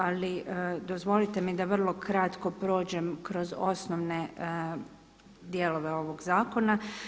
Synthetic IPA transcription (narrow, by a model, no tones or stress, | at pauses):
aliʔd̪o̞zʋo̞lit̪e̞mid̪aʋr̩lˠo̞kɾat̪ko̞pɾo̞ːd͡ʑe̞mkɾo̞zosnoʋne̞ | d̪jelo̞ʋe̞o̞ʋo̞ɡzaːko̞na